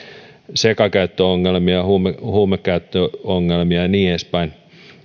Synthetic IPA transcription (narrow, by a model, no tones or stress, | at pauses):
sekɑkæyt̪ːøoŋːelmiɑhuːmehuːmekkæyt̪ːøoŋːelmiɑniːespæin